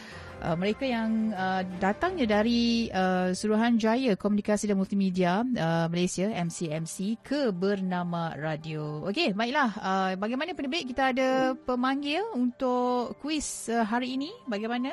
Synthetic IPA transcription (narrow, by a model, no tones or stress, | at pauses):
ʔə̰mə̃ɾekajaŋədat̪aŋɲãdaɾiəsuɾuɦand͡ʒajakɔmjunikasidanmult̪imidiaəməlejsiaɛmsiɛmsikʰəbərnãmãradiookebaɪk̚lahəbaɡajmanapənəbəɪʔ̚kit̪aːdapəmaŋɡɪlunt̪ʊʔkuwɪsəɦaɾiːnĩbaɡajmanã